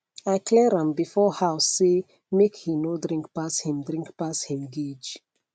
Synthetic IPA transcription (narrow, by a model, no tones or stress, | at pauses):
ajkʰlɛɹãmbifɔhawsse | mekhinodɹĩŋkpashĩmdɹĩŋkpashĩmɡid͡ʒ